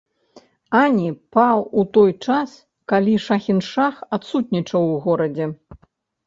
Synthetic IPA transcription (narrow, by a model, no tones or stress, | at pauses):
anʲipawut̪ɔjt͡ʂas | kalʲiʂaxʲinʂaxat̪sut̪nʲit͡ʂɐwɣɔɾɐd͡zʲɛ